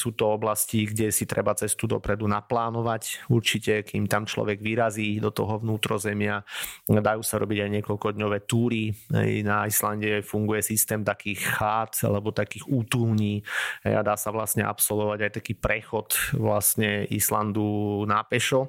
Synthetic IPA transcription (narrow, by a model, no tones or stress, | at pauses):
suːt̪ɔɔblasciɡɟɛsit̪ɾɛbat͡sɛst̪ud̪ɔ̰pɾɛd̪unaplaːnɔʋacuɾt͡ʃicɛkimt̪amt͡ʃlɔ̰ʋɛɡʋiɾaziːd̪ɔt̪ɔɦɔʋnuːt̪ɾɔzɛmɪad̪ajuːsaɾɔ̰biɟajɲɪɛkɔlkɔd̪ɲɔʋɛːt̪uːɾiɦɛ̰jnaislanɟɛfuŋɡujɛsist̪ɛːmt̪akiːxxaːt̪a̰lɛbɔt̪akiːxuːt̪uːɲiːɦɛ̰jad̪aːsaʋlastɲɛ̰ʔa̰psɔlʋɔʋaɟajt̪akiːpɾɛxɔt̪ʋlastɲɛisla̰nd̪unaːpɛʃɔ